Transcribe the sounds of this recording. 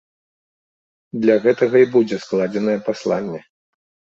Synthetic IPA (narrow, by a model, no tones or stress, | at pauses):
d̪lʲaɣɛt̪ɐɣɐibud͡zʲɛsklˠad͡zʲɛnɐjɛpaslˠanʲːɛ